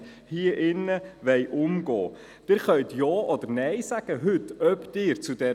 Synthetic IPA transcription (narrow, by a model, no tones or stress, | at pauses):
hiəʔɪnːəʋɛɪjʔʊmɡɔ̰ː | d̥ɪɾχœɥt̪jɑːʔɔd̥̪əɾnɛɪsæɡ̥əɦɵtœpd̥̪ɪːɾt͡sud̥ɛ